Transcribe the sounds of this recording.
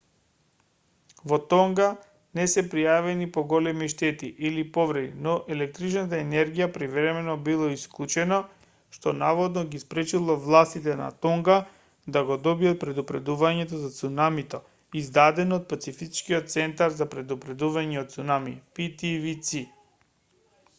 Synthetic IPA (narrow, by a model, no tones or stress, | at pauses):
vɔt̪ɔŋɡa | nɛsɛpɾijavɛnipoɡɔlɛmiʃt̪ɛt̪iʔilipovɾɛd̪inɔʔɛlɛk̚t̪ɾit͡ʃnat̪̬aɛnɛɾɡijapɾivɾɛmɛnɔbilˠɔisklˠut͡ʃɛnɔ | ʃt̪ɔnavɔd̪nɔɡispɾɛt͡ʃilˠɔvlˠast̪it̪ɛna̰t̪ɔŋɡa | d̪aɡɔd̪ɔbiat̪̚pɾɛd̪upɾɛd̪uvaɲɛt̪ɔzat̪sunamit̪ɔ | izd̪ad̪ɛnɔt̪̚pat̪sifit͡ʃkiɔt̪̚t̪sɛnt̪aɾzapɾɛd̪upɾɛd̪uvaɲɛot̪t̪sunamḭpit̪ivit̪si